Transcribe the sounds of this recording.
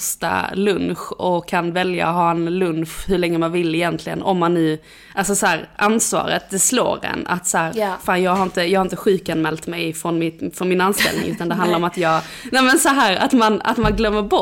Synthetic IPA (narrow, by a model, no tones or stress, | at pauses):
st̪a̰lɵnɧɔkʰːanvɛlja̰ɦɑːɛnlɵnʂhɵɭɛŋːəmanvɪlːɪjɛnt̪ʰlɪɡə̰nɔmːanːʉ̟ː | ʔalsɔsɔæːɾʔansvɑ̰ːɾə̰t̪̚d̪ɛslo̰ːɾɛ̰na̰t̪sɔhæːɾfaːnjɑːɡhaɾɪnt̪əjɑɡhaɾɪnt̪əɧʉ̟ːkanmɛːlt̪mɛjfɾɔnmɪfɔnmɪnanst̪ɛ̰lnɪ̰ŋʉ̟ːt̪and̪ɛɦand̪laɾɔmat̪jɑːɡ | nɛmɛnsɔɦæːɾa̰t̪mana̰t̪manɡlœmːəɾbɔ